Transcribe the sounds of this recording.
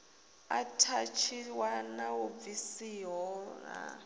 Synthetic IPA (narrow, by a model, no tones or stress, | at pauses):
atʰat͡ʃʰiwanaub̪visiɦɔŋa̰